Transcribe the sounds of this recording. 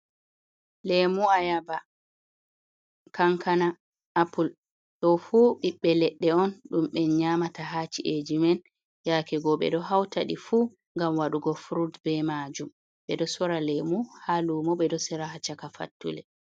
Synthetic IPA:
lemuajaba | kaŋkana | ʔapul | ɗɔfuːɓiɓːɛlɛɗːɛɔnɗumɓɛɲamataɦat͡ʃiʔed͡ʒimɛn | jakɛɡɔɓɛ̰ɗɔɦawtaɗifu | ŋɡamwaɗuɡɔfɾudbɛmad͡ʒum | ɓɛɗɔsɔɾalɛmuhalumɔɓɛdɔsɛɾaɦat͡ʃakafa̰tːṵlɛ

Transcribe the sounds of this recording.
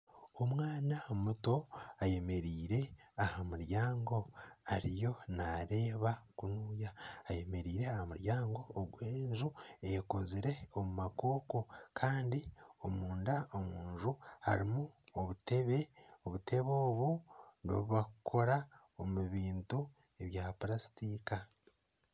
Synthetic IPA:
o̞mwaːnaomuto̞aje̞me̞ɾiːɾe̞ahamuɾjaːŋɡo̞aɾijo̞naɾe̞ːβakunuːjaːje̞me̞ɾiːɾe̞ahamuɾjaːŋɡo̞ːɡweːnʒuejkoziɾe̞omumako̞ːkokʰaːndiomuːndaomuːnʒuha̰ɾimuoβute̞βe̞oβute̞βo̞ːβuno̰βuβakukʰo̞ɾa | o̞muβiːntu | e̞βjaːpɾasi̥tika

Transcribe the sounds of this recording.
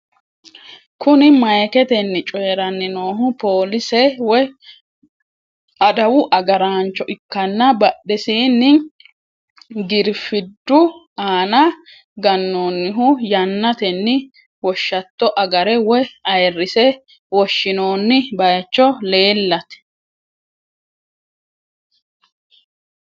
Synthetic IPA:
kʊnɪmɐjkɛt̪ɛnːɪt͡ʃʼɔjɛɾɐnːɪnoːɦʊpoːlɪsɛwɔj | ɐd̪ɐwʊʔɐɡɐɾaːnt͡ʃːɔʔɪkːɐnːɐbɐɗːɛsiːnːɪ | ɡɪɾfɪd̪ːʊ | aːnɐ | ɡɐnːoːnːɪɦʊjɐnːɐt̪ɛnːɪ | wɔʃːɐt̪ːɔʔɐɡɐɾɛwɔjɐjɛrːɪsɛ | wɔʃːɪno̞ːnːɪbɐjt͡ʃːɔle̞ːlːɐt̪ɛ̥

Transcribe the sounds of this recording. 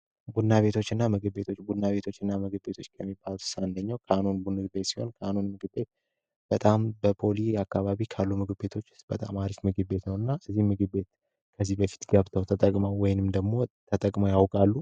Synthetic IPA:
bud̪naβe̞t̪ʰo̞t͡ʃːɨnːamɨɡɨbːe̞t̪ʰo̞t͡ʃːbud̪naβe̞t̪ʰo̞t͡ʃːɨnːamɨɡɨbːe̞t̪ʰo̞t͡ʃːkʰəmːibaluɨ̥sand̪əɲːawkʰəanonbunːɨɡɨbe̞t̪si̥ho̞̰nkʰəʔanonmɨɡɨbe̞t̪̚ | b̥ət̪ʼambəpʰo̞liakːaβaβikʰalːumɨɡɨbe̞t̪ʰo̞t͡ʃːɨ̥sb̥ət̪ʼa̰maɾifmɨɡɨbe̞t̪nəwɨnːaʔɨzːihmɨɡɨbe̞t̪̚ | kʰəzːibəfi̥t̪ɡəβt̪ʰəwt̪ʰət̪ʼəkʼmawɔjnɨmd̪əɡmo̞t̪ʰət̪ʼəkʼmajawkʼalːu

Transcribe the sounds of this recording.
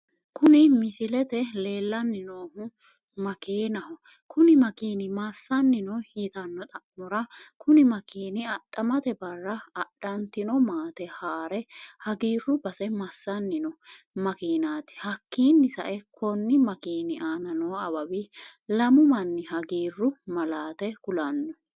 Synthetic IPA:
kʊnɪmɪsɪlɛt̪ɛleːlːɐnːɪnoːhʊ | mɐkeːnɐhɔ | kʊnɪmɐkiːnɪmasːɐnːɪnɔhiːt̪ɐnːɔt̪ʼɐkːɔɾɐkʊnɪmɐkiːnɪɐɗɐmɐt̪ɛbɐrːɐːɗɐnt̪ɪnɔmaːt̪ɛhaːɾɛhɐɡiːrːʊbɐsɛmɐsːɐnːɪnɔ | mɐkiːnaːt̪ɪ̥hɐkːiːnːɪsɐ̰ʔɛkʰɔnːɪmɐkiːnɪʔaːnɐnɔːɐbɐbilɐmʊmɐnːɪɦɐɡiːrːʊmɐlaːt̪ɛkʊlɐnːɔ

